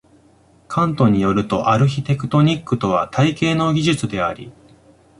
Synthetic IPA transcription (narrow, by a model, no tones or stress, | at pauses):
kʰãnt̪o̞ɲ̟ijo̞ɾɯ̟t̪o̞ʔaɾɯ̟çit̪e̞kɯ̟̥t̪o̞ɲ̟ikːɯ̟t̪o̞βa̰t̪ʰaike̞ːno̞ɡʲiʑɨt͡sɨd̪e̞a̰ɾʲḭ